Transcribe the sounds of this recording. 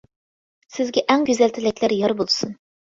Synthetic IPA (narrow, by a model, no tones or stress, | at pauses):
sɪzɡʲɛʔɛŋɡʲøzɛlt̪ʰɪlɪkʲlæɾjɑɾbolˠɨsun